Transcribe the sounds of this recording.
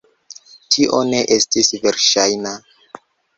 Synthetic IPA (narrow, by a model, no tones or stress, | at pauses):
tʰiʔo̞ne̞ʔe̞stisve̞ɾʃajna